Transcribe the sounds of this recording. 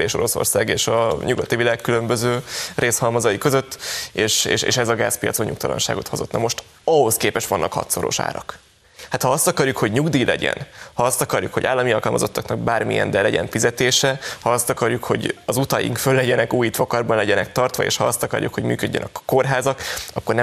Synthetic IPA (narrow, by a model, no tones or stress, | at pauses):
eːʃo̞ɾo̞so̰rsaːɡeːʃɒɲuɡɒt̪ivilaːkːylømbøzøːrʔeːshɒlmɒzɒjikø̞zøt̪ːeːʃḛːʃḛːʃɛzɒɡaːspijɒ̰t̪soɲukt̪ɒlɒ̰nʃa̰ːɡo̞t̪ho̞zo̞t̪nɒmo̞ʃt̪ | ɒɦo̞skeːpɛʃtʋɒnːʔɒkhɒ̰t̪so̞ɾo̞̰ʃa̰ːɾɒ̰k | hat̪hɒɒst̪ɒkɒrjukho̞ɟɲuɡd̪iːlɛɟɛ̰nhɒɒst̪ɒkɒrjukhoɟa̰ːlːɒmiɒlkɒlmɒzo̞t̪ʰːɒknɒɡ̚baːrmijɛ̰nd̪ɛlɛɟɛ̰ɱfizɛt̪eːʃɛhɒɒst̪ɒkɒrjukho̞̰ɟɒzut̪ɒjḭŋkfølːɛɟɛnɛkuːjit̪ʋɒkɒrbɒnlɛɟɛnɛk̚t̪ɒrt̪ʋɒ̰ḛːʃhɒɒst̪ɒkɒ̰rjukho̞ɟmy̰ːkø̞ɟːɛ̰nʔɛkko̞rɦaːzɒkɒkːornɛ